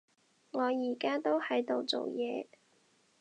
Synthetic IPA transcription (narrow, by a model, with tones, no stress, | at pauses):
ŋɔː˨˧jiː˨˩kaː˥t̪o˥whɐ˨˥jt̪o˨˧wt͡so̰˨wjɛː˨˧